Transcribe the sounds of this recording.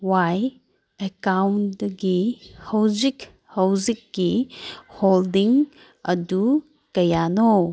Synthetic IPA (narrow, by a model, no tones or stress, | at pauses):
waj | ekawnɡihɐwzik | hɐwzikːiholdiŋ | ɐdu | kɐjano